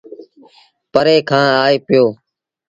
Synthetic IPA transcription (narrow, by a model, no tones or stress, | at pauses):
pəɾeːkʰãːaːeːpɪjoː